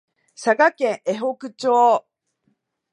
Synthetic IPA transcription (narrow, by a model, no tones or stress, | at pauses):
saɡakẽ̞ɰʔe̞ɦo̞kɯ̟t͡ɕoː